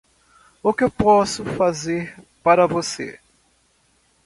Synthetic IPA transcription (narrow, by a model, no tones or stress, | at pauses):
ʊkɪewpɔsʊfazeɾ | paɾɐvosḛ